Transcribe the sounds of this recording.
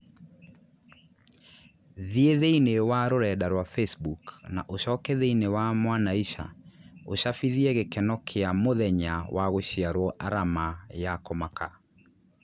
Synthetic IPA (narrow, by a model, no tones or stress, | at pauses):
ðieðeinewaɾoɾɛdaɾwafesbukna̰ʔoɕɔkɛðeinewamwanaiʃa̰oɕafiðiɛɣekɛnɔkʰeamoðɛɲawʔaɣoɕiaɾwɔʔaɾamajakɔmakʰa